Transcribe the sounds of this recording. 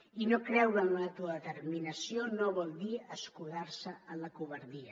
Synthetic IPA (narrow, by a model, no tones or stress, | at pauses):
inokɾɛwkənat̪uaðət̪əɾminɐsjonoβɔlˠd̪iəskuðaɾsəənləkuβəɾðiɐ